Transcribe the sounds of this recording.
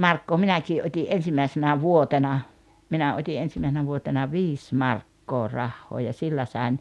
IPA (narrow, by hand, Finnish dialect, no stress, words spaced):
mɑrkːoː minækiː ʔotʲi ʔen̞simæisenæ ʋuotenɑ minæ otʲi ʔensimæisenæ ʋuotenɑ ʋiːs mɑrkːoː rɑhːoː jɑ silːæ sɑˑen